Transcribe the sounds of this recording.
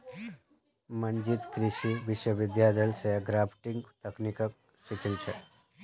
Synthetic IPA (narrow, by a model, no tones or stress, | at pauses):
mənd͡ʒit̪kɾiʃiʋɪʃwəʋɪd̪jaːd̪əlseɡɾaːpʰʈiŋɡt̪əknikək̚ | sikʰilt͡ʃʰɛ